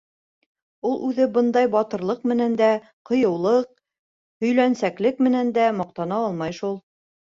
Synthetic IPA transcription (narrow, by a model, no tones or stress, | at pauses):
ulˠʔʉðɘbɤnd̪ɑjbɑt̪ɤ̆ɾlˠɤqmɘ̆nænd̪æ | qŏjɤ̆wlˠɤq̚ | hɵ̆jlænsæklɘk̚mɘ̆nænd̪æmɑq̚t̪ɑnɑɑlˠmɑjʃulˠ